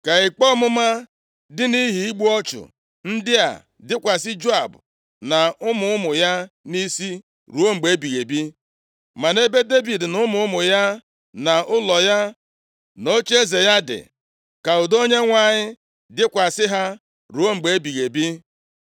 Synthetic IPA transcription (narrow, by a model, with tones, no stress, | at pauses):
ka˨ɪ˨k͡pɔ˦mʊ˦ma˦ | dɪ˦ni˦ɦi˨i˦ɡ͡bu˦ɔ˦t͡ʃʊ̰˨ | n̩˦dɪ˦a̰˨ | dɪ˦kʷa˨s̬ɪ˦d͡ʒo˦a˨bʊ˨ | na˨ʊ˦mʊ˨ʊ˦mʊ˨ja˦ni˦si˦ | ɾu˨˦o˦ŋ͡m̩˨ɡ͡be˨˦bi˨ɣe˨bi˦ | ma˨ne˦be˦de˦bi˨dnʊ˦mʊ˦ʊ˦mʊ˨ja˦ | na˨ʊ˦lɔ˨ja˦ | no˦t͡ʃe˦ze˨ja˦dɪ̰˨ | ka˨ʊ˨do˦ɲe˦ŋʷa˦ɲɪ˦ | dɪ˦kʷa˨sɪ˦ɦa˦ | ɾu˨˦o˦ŋ͡m̩˨ɡ͡be˨˦bi˨ɣe˨bi˦